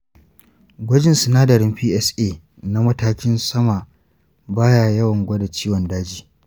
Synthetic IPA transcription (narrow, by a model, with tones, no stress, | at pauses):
ɡʷɐ˦d͡ʒɪ˦˨nsɪ˨naː˦dɐ˨ɾɪ˦mɸiː˦ʔɛ˦sʔeː˦ | na˦mɐ˦taː˦kʲɪ˦nsɐ˦ma˨ | baː˦ja˨jɐ˦wɐ˨ŋɡʷɐ˦da˨t͡ʃiː˦wɔ˨ndaː˦d͡ʒiː˨